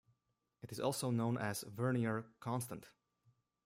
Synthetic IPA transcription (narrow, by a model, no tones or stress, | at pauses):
ɨɾɨzɔ̰lˠsoʊnõʊ̃nʔɨz̥vɜ˞niə˞kʰɑ̃nstə̃nt